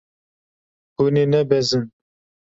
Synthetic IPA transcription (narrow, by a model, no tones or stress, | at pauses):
buninɛbɛzɨn